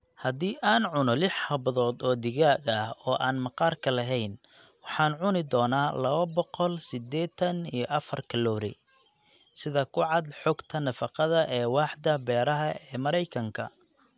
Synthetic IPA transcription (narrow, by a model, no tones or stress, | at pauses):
hɐd̪iːʔaːnʕʊnɔlɪħhɐβɐðɔːd̪ɔːd̪ɪɣaːɡɐhɔːʔaːnmɑqɑːrkʰɐlɐɦɛjn | wɑħɑːnʕʊnɪd̪ɔːnaːlɐβɐbɔqɔlsɪd̪ɛːt̪ʰɐnijɞʔɐfɐrkʰɐlɔːɾɛ̰ | sɪðɐkʰʊʕɑd̪ħɔːɡt̪ʰɐnɐfɑqɑðɐʔɛːwɑːħd̪ɐbɛːɾɐɦɐɛːmɐɾɛjkʰɐŋkʰɐ̰